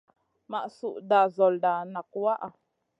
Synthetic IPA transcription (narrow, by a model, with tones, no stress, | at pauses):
ma˨ʔsu˨ʔda˨zo˨lda˨na˨kwa˦ʔa˨